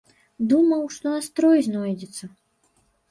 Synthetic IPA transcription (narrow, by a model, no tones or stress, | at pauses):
d̪umɐwʂt̪ɔast̪ɾɔjznɔjd͡zʲɛt̪sːɐ